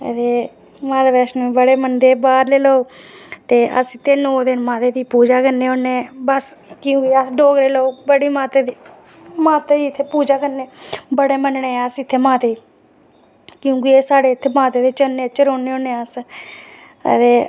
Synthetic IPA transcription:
ə̰t̪eː | mãːd̪ebɛːʃnːbəɽeːmənd̪eːbaːɾleːloːt̪eːʔə̰sɪt̪ʰːeːnoːd̪ɪnmãːt̪eːd̪iːpuːd͡ʒaːkəneːoːneːbəskɪjũːkiəsɖoːɡɾeːlooːbəɽiːmaːt̪eːd̪iː | mãːt̪eːiɪt̪ʰːeːpuːd͡ʒaːkəɾneːbəɽeːmənɳeːsɪt̪ʰːeːmãːt̪eː | kjũːkieːsaːɽeːɪt̪ʰːeːmãːt̪eːd̪eːt͡ʃəneːt͡ʃəɾoːneːõːnẽːəs | t̪eː

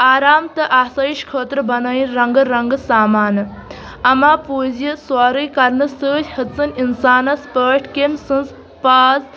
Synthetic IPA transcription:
aːɾaːmt̪ɐʔaːsɐiʃkʰoːt̪ɾɨbɐnɐjinɾɐŋɡɨɾɐŋɡɨsaːmaːnɨ | ɐmaːpuːzjɐswaːɾɨjkɐɾnɨsəːtʲhɐsɨninsaːnɐspəːʈʰkemsɨnz | paːz

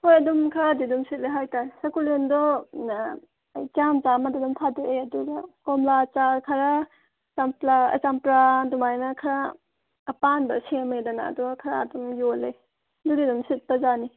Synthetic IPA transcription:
hojɐdumkʰaɾadidumsit̚leɦajtaɾsɐkulindɔ | jt͡ʃamt͡ʃamadadumtʰaduʔejɐduɡɐkɔmlat͡ʃaɾkʰɐɾa | t͡ʃamplaɐ̰t͡ʃampɾadumajnɐkʰɐɾaː | panbɐsemedɐna̰ːduɡɐkʰɐɾaːdumjole | dudidumsit̚pɐzani

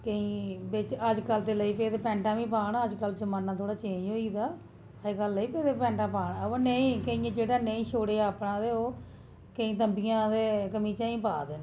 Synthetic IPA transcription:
kəĩːbɪt͡ʃəd͡ʒkəlt̪eːləiːpeːd̪eːpɛ̃ːɳʈãːʋĩːpaːɳaːəd͡ʒkəld͡ʒəmaːnːãːt̪ʰoːɽaːt͡ʃẽːd͡ʒɦoːiːd̪aː | əd͡ʒkəlːəiːpeːd̪epɛ̃ːɳʈãːpaːɳoneĩːkəĩːẽːd͡ʒeːɽaːneĩːʃoːɽeːaːpɳãːd̪eːoː | kəĩːt̪əmbijãːd̪eːkəmĩːt͡ʃaːĩːpaːd̪eːn

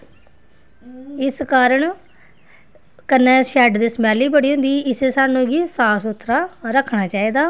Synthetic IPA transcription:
ɪskaːɾəɳ | kənːẽːʃɛːɖd̪iːsəmɛːliːbəɽiːɦʊ̃nd̪iːɪseːsaːnũːɡiːsaːsʊt̪ʰːɾaːɾəkʰːɳaːt͡ʃaːiːd̪aː

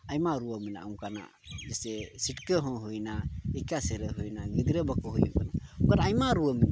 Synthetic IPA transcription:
ajmaɾuəmina̰uŋkana̰ | d͡ʒɛsɛsiʈkəɦɔ̃ɦujnaɛkasɛɾəɦujnaɡid̪ɾəbakɔɦujɔ̰kanaukaɾajmaɾuəmina

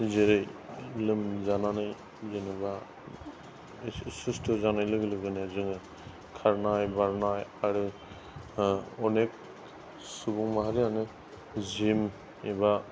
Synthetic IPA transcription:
zeɾɯjlɯmzananɯj | zeniba | sustʰɯzanajlɯɡɯlɯɡɯnezɯŋɯ | kʰaɾnajbaɾnajaɾɯ | ɔnek̚ | subuŋmaɦaɾijanɯ | zim | eba

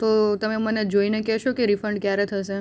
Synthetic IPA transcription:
t̪ot̪əmeməned͡ʒoinekɛɦʃokeɾifəɳɖ̚kjaɾet̪ʰəʃe

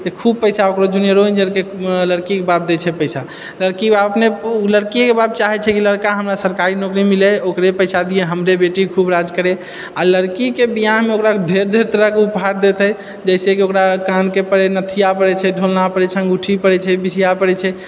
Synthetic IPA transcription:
t̪ekʰub̚pəɪsaokɾod͡ʒunieɾod͡ʒeɾkeləɾkikebab̚d̪ɛt͡ʃʰɛpəɪsa | ləɾkibabəpneləɾkikebab̚t͡ʃaɦɛt͡ʃʰɛkiləɾkaɦəmɾasəɾkaɾinokɾimilɛokɾepəɪsad̪ieɦəmɾebeʈikʰubɾad͡ʒkəɾɛ | aləɾkikebijaɦmeokɾaɖʱeɾd̪ʱeɾt̪əɾəɦkeupɦaɾd̪et̪ɛ | d͡ʒəɪsekiokɾakankepəɾɛnət̪ʰijapəɾɛt͡ʃʰɛɖʱolnapəɾɛt͡ʃʰɛɡuʈʰipəɾɛt͡ʃʰɛbisijapəɾɛt͡ʃʰɛ

